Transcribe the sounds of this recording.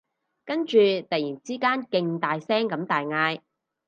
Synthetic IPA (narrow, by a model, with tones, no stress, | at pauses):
kɐ˥nt͡ʃyː˨˧t̪ɐ˨jiː˨˩nt͡siː˥kaː˥nkɪ˧ŋt̪aː˨jsɛː˥ŋkɐ˨˥mt̪aː˨jŋaː˧j